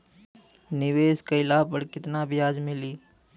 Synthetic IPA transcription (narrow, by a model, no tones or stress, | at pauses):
nɪʋeːskaɪlaːbəɽkɪt̪nabɪjaːd͡ʒmɪ̃liː